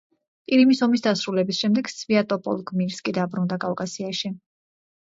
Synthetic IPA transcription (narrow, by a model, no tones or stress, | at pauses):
pʼiɾimisɔmisd̪asɾulɛbisʃɛmd̪ɛɡ̥sviat̪ʼɔpʼɔ̰lˠɡmiɾskʼid̪abɾund̪akʼalkʼasiaʃi